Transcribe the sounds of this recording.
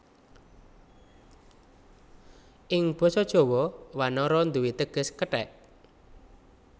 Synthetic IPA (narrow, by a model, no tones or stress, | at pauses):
ʔɪŋb̥ɔ̤sɔd̥ʒ̥o̤wɔwanɔɾɔnd̪uwit̪əɡ̥ə̤skəʈɛ̰ʔ